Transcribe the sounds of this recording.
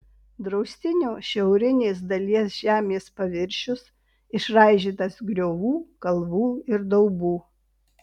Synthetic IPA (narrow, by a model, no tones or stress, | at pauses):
d̪ɾɒʊsʲt̪ʲɪnʲuːʃʲɛʊɾʲɪnʲeːs̬d̪ɐlʲiɛsʒ̥ʲæːmʲeːspɐʋʲɪɾʲʃʲʊs | ɪʃɾɑˑɪʒʲiːt̪ɐsɡɾʲoːʋuːkɐlˠʋuːɪɾd̪ɐʊbuː